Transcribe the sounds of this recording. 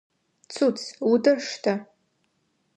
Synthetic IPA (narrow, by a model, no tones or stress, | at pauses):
t͡sʰut͡sʰudɨrʂtʰa